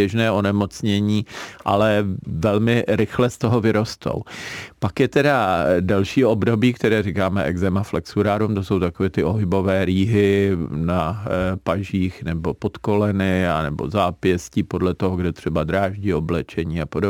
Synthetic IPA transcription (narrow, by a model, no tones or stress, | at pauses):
ɛʒnɛːʔo̞nɛmo̞t͡sɲɛɲiːʔa̰lɛvɛlmɪɾɪxlɛst̪o̞ɦovɪɾo̞st̪ʰo̰wpakjɛt̪ɛdadɛlʃiːo̞bdo̞biːkt̪ɛɾɛːrikaːmɛʔɛɡzɛmaflɛksuɾaːɾumt̪oso̞wt̪akovɛːt̪ɪʔo̞ɦɪbo̞vɛːɾiːɦɪnapaʒiːxnɛbopo̞t̪ko̞lɛnɪanɛbo̞̰zaːpjɛsciːpodlɛt̪oɦoɡdɛt̪r̝̥ɛbad̪ɾaːʒɟɪo̞blɛt͡ʃɛɲiːapodo